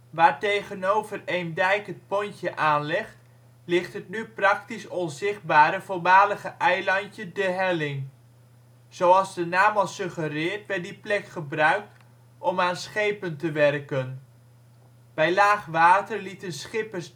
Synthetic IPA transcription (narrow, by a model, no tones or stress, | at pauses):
ʋaːɹtejχənowvərejndɛjkɦət̚pɔɲtəʔaːnlɪχt | lɪχtɦətnyprɑktisɔnzɪχd̚baːɾəvʊlˠmaːləχəʔɛjlɑntədəɦɛlɪŋ | z̥owɑlˠzdənaːmɑlˠsɵχərɪːɹtʋɛɹt̚diplɛkχəbrœɥk̚t | ɔmaːnsχejpəntəʋɛrkən | b̥ɛjlaːχʋaːtəɹlitənsχɪpəɹs